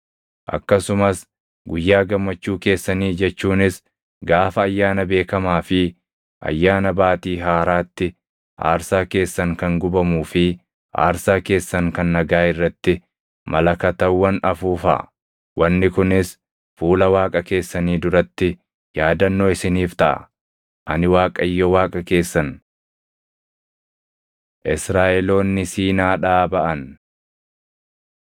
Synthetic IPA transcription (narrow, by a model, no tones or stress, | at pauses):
ʔɐ̰kːɐsʊmɐs | ɡʊjːaːɡɐmːɐt͡ʃːuːke̞ːsːɐniːd͡ʒɛt͡ʃːuːnɪs | ɡaːfɐːjːaːnɐbe̞ːkɐmaːfɪ | ʔɐ̰jːaːnɐbaːt̪iːɦaːɾaːt̪ːɪ | ʔa̰ːɾsaːke̞ːsːɐŋkɐŋɡʊbɐmuːfɪ | a̰ːɾsaːke̞ːsːɐŋkɐnːɐɡaːɪrːɐt̪ːɪ | mɐlɐkɐt̪ɐwːɐnɐfuːfɐ̰ | wʔɐnːɪkʊnɪs | fuːlɐwaːkʼɐke̞ːsːɐniːd̪ʊɾɐt̪ːɪ | jaːd̪ɐnːoːɪsɪniːft̪ɐʔɐ̰ | ʔɐnɪwaːkʼɐjːɔwaːkʼɐke̞ːsːɐn | ʔɪsɾaːʔɛlo̞ːnːɪsiːnaːᶑaːbɐʔɐn